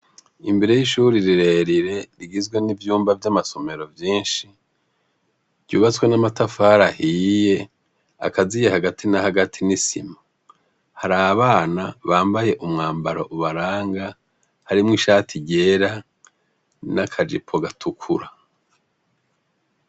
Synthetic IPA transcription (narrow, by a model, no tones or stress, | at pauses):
imbe̞ɾe̞jiʃuːɾiɾiɾe̞ɾiɾe̞ɾiɡizɡwe̞nivjuːmbavjamaso̞me̞ɾo̞vjiːnʃi | ɟɟ̥uːβat͡swe̞namatafaːɾahiːje̞ | a̰kazijehaɡatʰinahaɡatʰinisḭma | haɾaːβaːnaβaːmbaje̞ʔumŋaːmbaɾoʔuβaɾaːŋɡa | haɾimŋiʃaːtʰiɟe̞ːɾa | nakʰad͡ʒḭpʰo̞ɡatʰukʰuɾa